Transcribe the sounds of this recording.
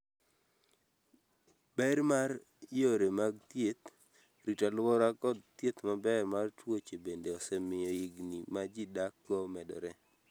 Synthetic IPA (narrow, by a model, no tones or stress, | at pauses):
bɛɾmaɾ | joɾemaɡt̪jet̪ | ɾitalwɔɾakɔd̚t̪jet̪mabɛɾmartwot͡ʃebendeɔsɛmɪjɔiɡnimad͡ʒidakːɔmɛdɔ̰ɾɛ